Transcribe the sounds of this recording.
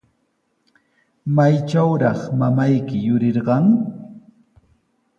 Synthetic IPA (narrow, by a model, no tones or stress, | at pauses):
majt͡ʃawɾɑχmamajkɪjʊɾɪɾɢɑŋ